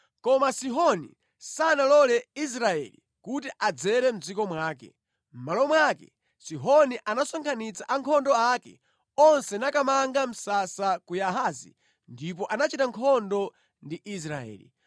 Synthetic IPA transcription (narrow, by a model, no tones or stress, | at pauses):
kɔmasiɦɔnḭ | sanalɔlɛis̬ɾaɛlḭ | kutiʔad͡zɛɾɛm̩d͡zikɔmwaːkɛ̰ | m̩malɔmwakɛ̰ | siɦɔniʔanasɔŋkʰanit͡saʔaŋkʰɔndɔakɛ | ɔnsɛnakamaŋɡam̩sasakujaɦaːzḭ | ndipɔʔanat͡ʃitaŋkʰɔndɔ | ndiʔis̬ɾaɛ̰ːli